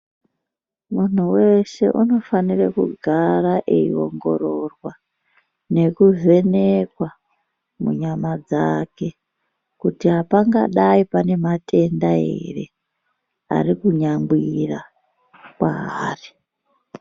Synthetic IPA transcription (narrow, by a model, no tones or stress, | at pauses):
mun̤uwe̞se̞̰ʔuno̞fanirekṵɡʱaraʔeio̞ŋɡo̞ro̞rwa | ne̞kuze̞nekwa | mṵɲamad͡zake̞ | kutiɦapaŋɡa̰ɗaipane̞matʰe̞ndae̞̰re̞̰ | a̰rikuɲambwira | kwaɦaːri